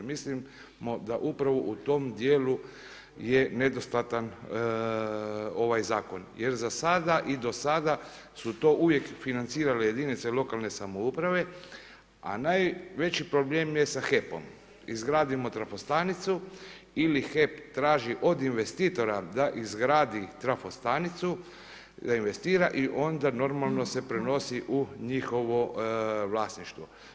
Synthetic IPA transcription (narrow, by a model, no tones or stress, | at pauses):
mislim | mo̞d̪aʔupɾaʋoʔut̪o̞md̪jeːlu | je̞ne̞d̪o̞st̪at̪an | o̞ʋajzaːko̞nje̞ɾzasad̪aʔid̪o̞sad̪a | sut̪o̞ʔuʋje̞kfinant̪siːɾaleje̞d̪init̪selo̞kalˠne̞samoupɾaʋe̞ | a̰najʋe̞t͡ʃipɾo̞bleːmje̞saxepo̰m | izɡɾaːd̪imo̞t̪ɾafost̪anit̪su | ilixe̞pt̪ɾaːʒiʔo̞d̪inʋe̞st̪iːt̪o̞ɾad̪aʔizɡɾaːd̪it̪ɾafost̪anit̪su | d̪ainʋe̞st̪iːɾaʔiʔo̞nd̪ano̞ɾmalˠno̞se̞pɾeno̞siʔuɲixo̞ʋoʋlaːsniʃt̪ʋo